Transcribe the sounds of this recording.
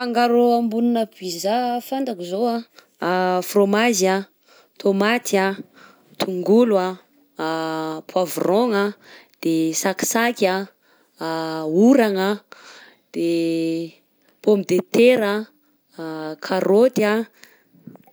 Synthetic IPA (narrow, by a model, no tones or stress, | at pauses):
faŋɡaɾoambuninəpizafant̪akizoa | fromazja | t̪ʰomat̪a | t̪ʰuŋɡulwa | pʰwavroŋad̪̥esaki̥sakʲa | uɾaŋa | d̪̥e | pomid̪et̪eɾa | kʰaɾot̪a